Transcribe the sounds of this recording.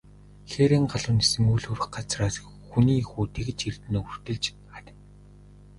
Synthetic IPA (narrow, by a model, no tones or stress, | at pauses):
xeːɾĕːŋɢaɮʊːnesɘ̆ŋujɮxɵr̆xɢat͡sraːs | xuniːxuːt̪ʰeɣɘ̆t͡ɕirt̪̆noːur̥t̪ɘ̆ɮt͡ɕ | at̪ʲɪ̆n